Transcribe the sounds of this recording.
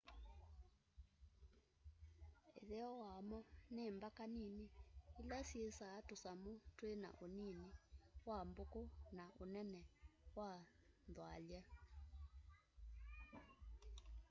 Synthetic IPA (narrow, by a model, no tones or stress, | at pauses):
eðɛɔwamɔnembakaniniilasiesaːtosamotwena̰ʔoniniwambokonaʔonɛnɛwanðwalja